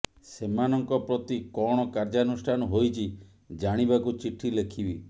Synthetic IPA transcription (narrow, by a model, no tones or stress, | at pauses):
semanɔŋkɔpɾɔt̪ikɔɽ̃ɔkaɾd͡ʒanusʈʰanɔɦojt͡ʃʰi | d͡ʒaɽ̃ibakut͡ʃiʈʰilekʰibi